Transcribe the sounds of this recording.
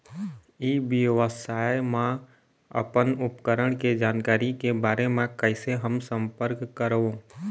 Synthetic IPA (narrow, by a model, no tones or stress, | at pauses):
iːbiʋəsaːjmẽ | ə̰pənʊpkəɾəɽ̃ked͡ʒaːnkaːɾikebaːɾemẽkəɪseɦəmsə̃mpəɾkːəɾo